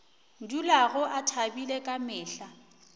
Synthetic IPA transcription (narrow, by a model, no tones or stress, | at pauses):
n̩dulaɣʊʔatʰabilekʼamɪːɬa